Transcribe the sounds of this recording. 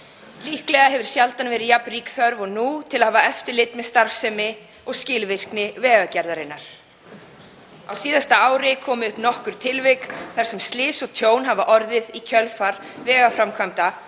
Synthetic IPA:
liːhklɛɣaɦɛvʏɾ̥sjalt̪anvɛːɾɪðjapnriːkθœɾvɔɣnut̪ʰɪlahaːvaɛft̪ɪɾlɪt̪mɛðst̪aɾfsɛmɪ | ɔɣscɪlvɪr̥knɪvɛːɣacaɾðaɾɪnːaɾ̥ | a̰wsiːðast̪aaːwɾɪkʰɔːmʏʏhpnɔhkʏɾ̥t̪ʰɪlvɪkθaɾ̥sɛmst̪lɪːsɔɣt̪ʰjoːwnɦavaʔɔɾðɪðicʰœlfaɾ | vɛːɣafɾamkʰvamt̪a

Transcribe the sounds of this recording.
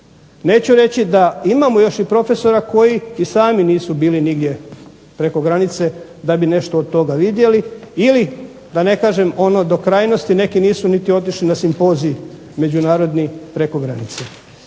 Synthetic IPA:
ne̞ːt͡ɕuɾe̞t͡ɕid̪aimamojo̞ʃipɾo̞fe̞so̞ɾako̞jiːsaːminiːsubiːliniɡd̪je̞ | pɾe̞ko̞ɡɾanit̪se̞ | d̪abine̞ʃt̪oːd̪̚t̪o̞ɡaʋid̪je̞liili | d̪ane̞kaːʒe̞mo̞no̞d̪o̞kɾaːjno̞st̪ine̞kiniːsunit̪io̞t̪iʃlinasimpo̞ːziː | me̞d͡ʑunaːɾo̞d̪nipɾe̞ko̞ɡɾanit̪se

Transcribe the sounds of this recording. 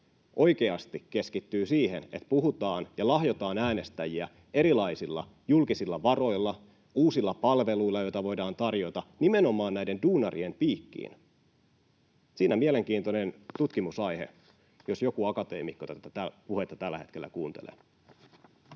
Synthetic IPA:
ʔo̞jke̞ɑst̪ikːe̞skit̪ːyːsiːɦene̞t̪puɦut̪ɑːnjɑlɑɦjo̞t̪ɑːnæːne̞st̪æjiæ | e̞ɾilɑjsilːɑ̰ | julkisilːɑʋɑro̞ilːɑ | uːsilːɑpɑlʋe̞luilːɑjo̞jt̪ɑʋo̞jdɑːnt̪ɑrjo̞t̪ɑnime̞no̞mɑːnnæjde̞nduːnɑrie̞mpiːkːḭːn | siːnæmiele̞ŋk̟iːnt̪one̞nt̪ut̪kimusɑjhe̞̰ | jo̞sjo̞kuɑkɑt̪e̞̰ːmikːot̪æt̪æt̪æpuhe̞t̪ːɑt̪ælːæhe̞t̪kelːæ̰kuːnt̪elḛː

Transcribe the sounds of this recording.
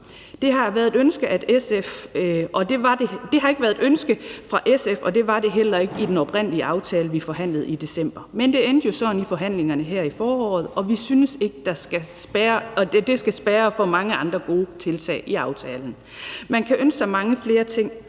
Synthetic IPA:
d̥e̝ɦɑ̈ʋæːɐðˠedønsɡ̥əʔæd̥esefʔɒ̽d̥e̝ʋɑ̈d̥ed̥e̝ɦɑ̈e̝ɡ̥əʋæɐðˠedønsɡ̥əfʁɑ̈ʔesefɒ̽d̥e̝ʋɑ̈d̥e̝ɦel̰ɐe̝ɡ̥id̥enɒ̽b̥ʁen̰liəʔɑ̈ʊt͡sʰɛːləʋifɒ̽ɦæn̰lð̞̩ˠid̥e̝sem̰b̥ɐmend̥e̝end̥əjo̝sɒ̽nifɒ̽ɦæn̰le̝ŋɐnəɦæɐ̰ifɒːɒ̰ːð̞̩ˠɒ̽ʋisynəse̝ɡ̥əd̥ɑ̈sɡ̥æsb̥æɐɒded̥e̝sɡ̥æsb̥æːɐfɒ̽mɑ̈ŋəɑ̈nd̥ʁɐɡ̥o̝ːt͡sʰe̝lt͡sʰɛ̰ːʔiɑ̈ʊt͡sʰɛːln̩ | mænkʰæʔønssɑ̈ɪmɑ̈ŋəfle̝ːɐt͡sʰe̝ŋ̰

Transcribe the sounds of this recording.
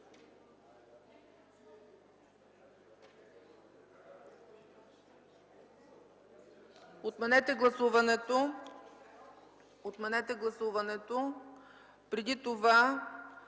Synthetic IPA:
ot̪mɛnɛt̪ɛɡlˠɐsuvɐnɛt̪o | ot̪mɛnɛt̪ɛɡlˠɐsuvɐnɛt̪o | pɾɛd̪it̪ova

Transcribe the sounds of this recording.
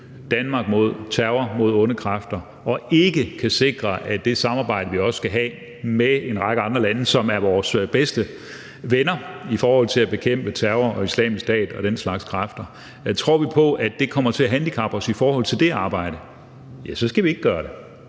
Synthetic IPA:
d̥ænmɑ̈ːɡ̥mo̝ð̞̰ˠt͡sʰæɐʊɐmo̝ð̞̰ˠɔ̽nəkʰʁɑfd̥ɐ | ɒ̽e̝ɡ̥əkʰæse̝ɡ̥ʁɐʔæd̥e̝sɑ̈mɑ̈ːb̥ɑ̈ɪ̰ɾ̥əʋiɒ̽ssɡ̥æɦɛ̰ː | mee̝nʁɑ̈ɡ̥əɑ̈nd̥ʁɐlænəsɒ̽mæɐʋɒːsb̥esd̥ə | ʋenɐifɒːhɒ̽l̰t͡sʰe̝læb̥e̝kʰem̰b̥ət͡sʰæɐʊɐɒ̽islɛ̰ːmisd̥ɛ̰ːd̥ɒ̽ɾ̥enslɑ̈ɡ̥skʰʁɑfd̥ɐ | t͡sʰʁo̝ɐ̰ʋipʰɒ̽ʔæd̥e̝kʰɒ̽m̰ɐt͡sʰe̝æɦænd̥ikʰɑ̈b̥ɐsifɒːhɒ̽l̰t͡sʰe̝ld̥e̝ɑ̈ːb̥ɑ̈ɪ̰ɾ̥ə | jæsɒ̽sɡ̥æʋie̝ɡ̥ɡ̥ɶːɐɾe̝

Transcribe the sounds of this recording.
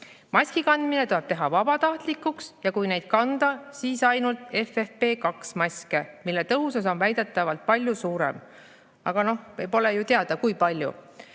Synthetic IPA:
mɑskikɑnd̪mine̞t̪oeb̥t̪e̞ɦɑvɑb̥ɑt̪ɑht̪likːuksjɑkujne̞jd̪̥kɑnd̪̥ɑsiːsɑjnult̪ˑe̞fefpe̞ːkɑksmɑsʲke̞milːe̞t̪ɤɦusɑso̞nvæjd̪̥e̞t̪ːˑɑvɑlt̪̚pɑlʲjusuːɾe̞̰m | ɑɡ̥ɑno̞hpo̞le̞jut̪e̞ɑd̪̥ɑkujpɑlʲjṵ

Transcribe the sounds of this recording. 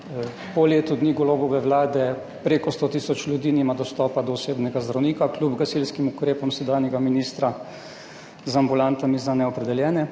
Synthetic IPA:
pɔleːt̪ud̪niːɡɔloːbɔʋɛwlaːd̪ɛ | pɾeːkɔst̪ot̪iːsɔt͡ʃlʲjud̪iːnimad̪ɔst̪ɔːpad̪ɔːseːbnɛɡazd̪ɾawniːkaklʲjubɡazilskimukɾeːpɔmsɛd̪aːnjɛɡaminiːst̪ɾa | zambulant̪amizanɛɔpɾɛd̪ɛljɛːnɛ

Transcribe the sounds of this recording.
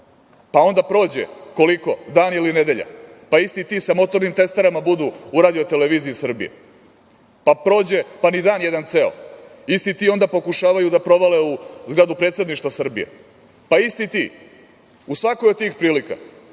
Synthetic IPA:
pao̞nd̪apɾo̞ːd͡ʑḛko̞liko̞d̪aːnilined̪e̞ʎa̰ | paist̪it̪iːsamo̞t̪o̞ɾnimt̪e̞st̪aɾamabud̪uuɾaːd̪iot̪eleʋiːziisr̩bḭjḛ | papɾo̞ːd͡ʑepanid̪aːnjed̪ant̪seo̰ | ist̪it̪io̞nd̪apo̞kuʃaːʋajud̪apɾo̞ʋaleuzɡɾad̪upɾe̞ːt̪se̞d̪niʃt̪vasr̩bḭjḛ | paist̪it̪iː | usʋakojot̪t̪iːxpɾiːlika̰

